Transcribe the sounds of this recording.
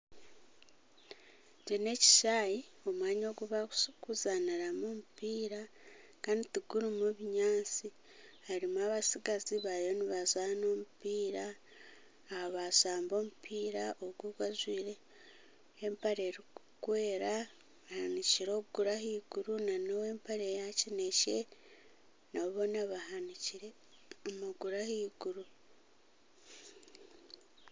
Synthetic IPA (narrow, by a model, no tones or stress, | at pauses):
t͡ʃene̞ci̥ʃaːjio̞mwaːɲo̞ːɡuβakuzaniɾamomupiːɾa | kaːnditiɡuɾimuβiɲaːnt͡si | haɾimuaβasiɡaziβajo̞niβazaːno̞ːmupiːɾaː | haβazaːmbo̞ːmupʰiːɾaʔoɡuɡwazwiːɾe̞ː | mpaɾe̞ɾikukwe̞ːɾa | βahaniciɾo̞ːβɡuɾahiːɡuɾunanowe̞ːmpaɾejacinece̞ | naβo̞naβahaniciɾe | omaɡuɾahiːɡuɾu